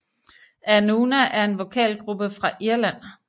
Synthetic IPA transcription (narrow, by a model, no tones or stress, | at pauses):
ʔænuːnæʔæɐe̝nʋo̝kʰɛ̰ːlɡ̥ʁub̥əfʁɑ̈ʔiɐlæn̰